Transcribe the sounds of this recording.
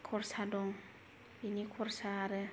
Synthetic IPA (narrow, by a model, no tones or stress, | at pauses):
kʰɔɾsadɔŋ | binikʰɔɾsaɾɛ